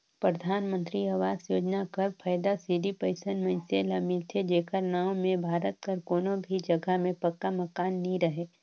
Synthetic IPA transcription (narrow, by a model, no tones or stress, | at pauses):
pɾəd̪ʱaːnmə̃nt̪ɾiɐʋaːzjoːd͡ʒnakɐɾpʰəːjd̪asiːɖipəɪsənmə̃nselɐmɪlt̪ʰed͡ʒeːkəɾnaːomẽbʱaːɾət̪̚kəɾkoːnõbʱid͡ʒɐɡəmẽpɐkːamɐkaːnːĩɾɐɦeː